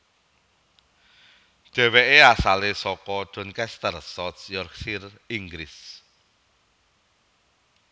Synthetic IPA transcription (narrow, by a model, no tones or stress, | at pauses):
d̥ʒ̥ɛ̤weʔeasalesɔkɔɖ̥ɔ̤nkɛst̪ərsɔt̪sjɔrksir | iŋɡɾɪs